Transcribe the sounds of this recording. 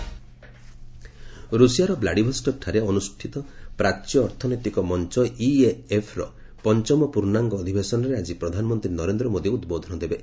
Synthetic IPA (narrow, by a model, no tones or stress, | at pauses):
ɾusijaɾɔblaɽibʱɔsʈɔk̚ʈʰaɾeɔnusʈʰit̪ɔpɾat͡ʃjɔːɾt̪ʰɔnɔt̪ikɔmɔnt͡ʃɔjʔieepʰɾɔ | pɔnt͡ʃɔmɔpuɾnaŋɡɔːd̪ʱibesɔnɔɾead͡ʒipɾɔd̪ʱanɔmɔnt̪ɾinɔɾend̪ɾɔmod̪iud̪bod̪ʱɔnɔd̪ebe